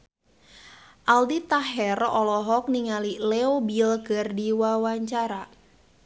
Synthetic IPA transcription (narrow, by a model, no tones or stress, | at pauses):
ʔaldit̪aɦɛrɔlɔɦɔk̚niŋalileobilɡ̥ərdiwawaɲt͡ʃaɾa